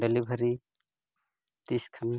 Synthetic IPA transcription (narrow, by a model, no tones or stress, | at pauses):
ɖelibʱəɾi | t̪iskʰɐn